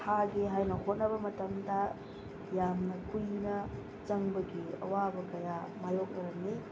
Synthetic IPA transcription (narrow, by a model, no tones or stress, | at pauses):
haɡiɦajnɐhot̚nɐβɐmɐtɐmdɐ | jamnɐkujnɐ | t͡ʃɐŋbɐɡiɐ̰wabɐkɐjamajok̚nɐɾɐŋni